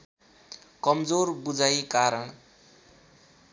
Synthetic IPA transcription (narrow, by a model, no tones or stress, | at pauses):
kʌmd͡zoɾbud͡zajkaɾʌɳ